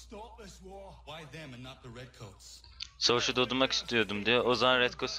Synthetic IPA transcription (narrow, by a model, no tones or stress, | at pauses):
baɪðɨ̃mɨ̃nːət̪̚ðəɹɛd̚kʰoʊts | savaʃud̪od̪umaki̥st̪ʰijo̞d̪umd̪ijɛozamanɾɛt̪kʰos